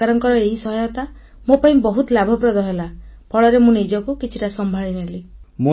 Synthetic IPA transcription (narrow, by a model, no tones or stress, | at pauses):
aɾɔŋkɔɾɔeɦisɔɦɔjɔt̪a | mopaĩbɔɦut̪labʱɔpɾɔd̪ɔɦelapʰɔɭɔɾemũnid͡ʒɔkukit͡ʃʰiʈasɔmbʱaɭinelimu